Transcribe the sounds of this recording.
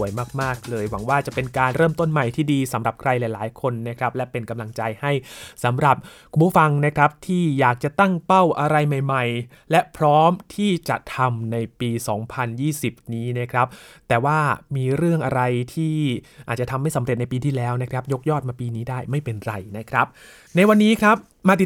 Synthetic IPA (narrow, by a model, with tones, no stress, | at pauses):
əjmaː˥˩k̚maː˥˩k̚lɤː˧jwa˩˦ŋwaː˥˩t͡ɕa˨˩pe˧nkaː˧nɾɤː˥˩mt̪o˥˩nma˨˩jt̪ʰiː˥˩diː˧sa˩˦mɾa˨˩p̚kʰɾa˧jlɛː˨˩laː˩˦jkʰo˧nːa˦˥kʰɾa˦˥p̚lɛ˦˥pe˧nka˧mla˧ŋt͡ɕa˧jha˥˩jsa˩˦mɾa˨˩p̚kʰku˧˨pʰuː˥˩fa˧ŋna˦˥kʰɾa˦˥p̚t̪ʰiː˥˩jaː˨˩k̚t͡ɕa˨˩t̪a˥˩ŋpa˥˩wʔa˧ɾa˧jma˨˩jma˨˩j | lɛ˦˥pʰɾɔː˦˥mt̪ʰiː˥˩t͡ɕa̰˨˩ʔt̪ʰa˧mna˧jpiː˧sɔː˩˦ŋpʰa˧njiː˥˩si˨˩p̚niː˦˥na˦˥kʰɾa˦˥p̚t̪ɛː˨˩waː˥˩miː˧ɾɯ˥˩əŋʔa˧ɾa˧jt̪ʰiː˥˩ | ʔaː˨˩t̪̚t͡ɕa˨˩t̪ʰmːa˥˩jsa˦mɾe˨˩t̪̚na˧jpiː˧t̪ʰiː˥˩lɛː˦˥wna˦˥kʰɾa˦˥p̚jo˦˥k̚jɔː˥˩t̪̚maː˧piː˧niː˦˥daː˥˩jma˥˩jpe˧nɾa˧jna˦˥kʰɾa˦˥p̚ | na˧jwa˧nːiː˦˥kʰɾa˦˥p̚ | maː˧t̪i˨˩